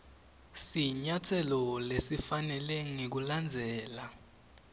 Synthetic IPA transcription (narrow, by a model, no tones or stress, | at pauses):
siɲatʰɛlɔlesifanɛlɛŋek̬uland͡zʱɛːla